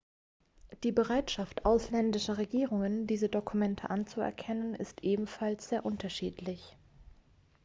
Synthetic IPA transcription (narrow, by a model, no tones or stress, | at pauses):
d̥iːbəʁaɪtʃaftʔaʊslɛndɪʃɐʁ̞eɡiːʁʊŋəndiːzədokʰumɛntʰəʔant͡suɛ̰ɐkʰɛnənɪstʔeːbm̩falsz̥eːɐʔʊntɐʃiːtʰlɪç